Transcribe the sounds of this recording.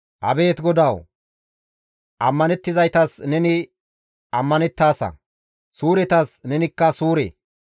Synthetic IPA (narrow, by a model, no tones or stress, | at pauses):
hɐ̰be̞ːt̪ɡɔd̪ɐw | ʔɐmːɐnɛt̪ːɪzɐjt̪ɐsnɛnɪ | ɐmːɐnɛt̪ːaːsɐ̰ | suːɾɛt̪ɐsnɛnɪkːɐsuːɾḛː